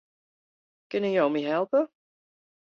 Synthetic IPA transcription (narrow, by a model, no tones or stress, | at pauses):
kɪnəjowmiɦɛlˠpə